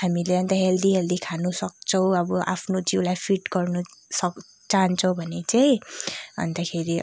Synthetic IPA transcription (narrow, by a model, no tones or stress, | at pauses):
hamileʌnt̪ʌɦeld̪iɦeld̪ikʰanusʌk̚t͡sʰʌw̃ʌbʌʔa̰pʰnod͡ziwlajpʰiʈɡʌrnusʌk | t͡saɦʌnt͡sʰʌ̃w̃bʱʌnet͡saj̃ʌ̰nd̪akʰeɾi